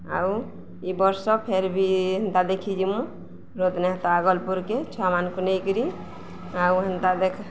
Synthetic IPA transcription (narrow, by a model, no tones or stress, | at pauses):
a̰w | ibəɾsɔpʰeɾbʱiɦənt̪ad̪ekʰid͡ʒimũ | ɾod̪neɦt̪ɔaɡɔlpuɾket͡ʃʰamankunejkɾi | awɦənt̪ad̪ekʰ